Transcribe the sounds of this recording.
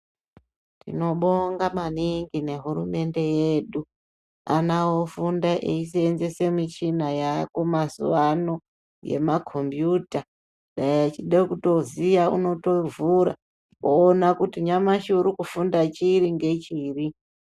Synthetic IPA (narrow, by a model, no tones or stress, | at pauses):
tḭno̞ɓoŋɡamaniŋɡine̞ɦuɾume̞nde̞jeːɗu | anawo̞fundaʔeis̬eenze̞se̞mit͡ʃinajako̞mazṵʋano̞ | je̞̰makʰo̞mbjuta | ɗaijat͡ʃiɗekuto̞zijaṵno̞to̞vuɾa̰ | oːnakutiɲamaʃuɾukufundat͡ʃiɾiŋɡe̞t͡ʃiːri